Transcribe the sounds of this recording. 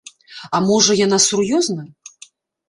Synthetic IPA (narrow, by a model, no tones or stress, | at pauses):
amɔʐɐjanasurjɔznɐ